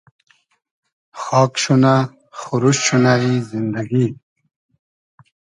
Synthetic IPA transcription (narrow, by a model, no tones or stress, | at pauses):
xɑːkɕuna | xuɾuɕɕunaizind̪aɡi